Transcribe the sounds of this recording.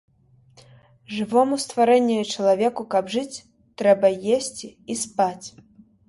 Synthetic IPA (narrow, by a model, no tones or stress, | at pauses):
ʐɨvɔmust̪vaɾɛnʲːujut͡ʂɐlˠavʲɛkukɐbʐɨt͡sʲ | t̪ɾɛbɐjesʲt͡sʲiispat͡sʲ